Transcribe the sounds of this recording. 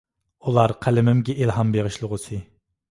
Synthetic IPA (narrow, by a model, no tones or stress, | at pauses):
ulˠɑɾqʰælɪmɪmɡʲɛʔilɦɑmbeʁɨʃlˠʊʁʊsʰɨ